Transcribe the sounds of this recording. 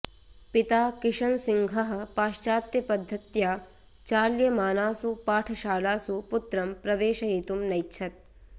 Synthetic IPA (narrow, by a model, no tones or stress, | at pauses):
pit̪aːkɪʂɐnsiŋɡʱɐɦɐ̆paːʃt͡ʃaːt̪jɐpɐd̪ʱːɐt̪jaː | t͡ʃaːljɐmaːnaːsupaːʈʰɐʃaːlaːsuput̪ɾɐmpɾɐʋeːʃɐɦiːt̪umnɐjtːt͡ʃʰɐt̪̚